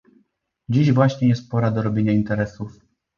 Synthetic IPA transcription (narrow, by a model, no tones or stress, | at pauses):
d͡ʑiʑvwaɕɲɛjɛst̪̚pɔɾad̪ɔɾɔbʲjeɲaint̪ɛɾɛsuf